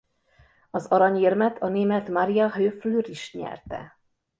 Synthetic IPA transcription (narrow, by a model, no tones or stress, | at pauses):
ɒzɒɾɒɲermɛt̪ʰɒneːmɛt̪mɒɾijɒɦøːflyɾiʃɲɛ̰rt̪ɛ̰